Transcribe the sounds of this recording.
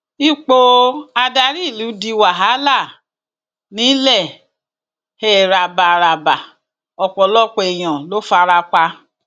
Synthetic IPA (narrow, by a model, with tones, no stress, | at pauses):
i˦k͡po˧a˧da˧ɾi˦˨lu˨˦di˧wa˨ɦa˨˦la˦˨ | nĩ˨˦lɛ˦˨ | he˦˨ɾa˧ba˨ɾa˨ba˨ | ɔ˧k͡pɔ˨lɔ˦˨k͡pe˧e˨j̃ã˨lo˦fa˧ɾa˧k͡pa˧